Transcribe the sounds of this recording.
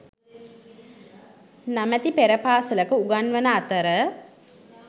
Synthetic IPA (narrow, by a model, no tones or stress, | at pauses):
namæt̪ipeɾəpaːsələkəuɡanʋənəaːt̪əɾə